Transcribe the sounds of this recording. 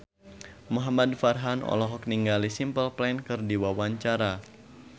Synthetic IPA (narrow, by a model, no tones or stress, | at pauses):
muɦamadfarɦanɔ̰lɔɦɔk̚niŋɡalisimpəlplankɨrdiwawaɲt͡ʃaɾa